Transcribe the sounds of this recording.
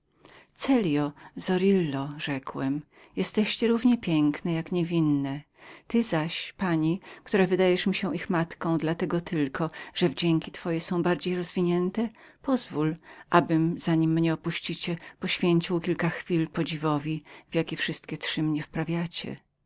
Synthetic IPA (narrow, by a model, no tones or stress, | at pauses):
t̪sɛlʲjɔzɔɾilːɔʐɛkwɛm | jɛst̪ɛɕt͡ɕɛɾuvɲɛpʲjɛŋknɛjakɲevʲinːɛ | t̪ɘzaɕpaɲikt̪uɾavɘd̪ajɛʂmʲiɕɛʔixmat̪kɔ̃w̃d̪lat̪ɛɡɔt̪ʰɘlkʰɔʐ̥ɛvd͡ʑɛŋkʲit̪fɔjɛsɔ̃w̃baɾd͡ʑejɾɔzvʲiɲɛnt̪ɛpɔzvulʔabɘmz̥aɲimːɲɛɔpuɕt͡ɕit͡ɕɛpɔɕfʲjeɲt͡ɕiwkʲilkaxfʲilpɔd͡ʑivɔvʲivʲjakʲifʂɘst̪kʲɛtʂɘmɲɛfpɾavʲjat͡ɕɛ̰